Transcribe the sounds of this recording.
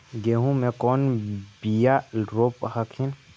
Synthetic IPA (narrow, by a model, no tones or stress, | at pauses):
ɡeɦũmɛ̃kɔnbijaɾophakʰin